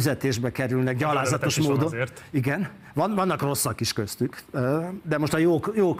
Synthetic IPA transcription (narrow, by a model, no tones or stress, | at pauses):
yzɛt̪eːʒbɛkɛɾylnɛɡɟɒlaːzɒt̪o̞ʃmoːdd̪onːiɡɛn | vɒnvɒnːɒkro̞sːɒkiʃkø̞st̪ykː | d̪ɛmo̞ʃt̪ɒjoːkjoːk